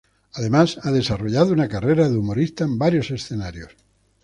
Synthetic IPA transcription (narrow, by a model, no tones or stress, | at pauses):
aðe̞masaðe̞saroʎaðounakareɾaðumoɾist̪aembaɾjo̞se̞sθenaɾjos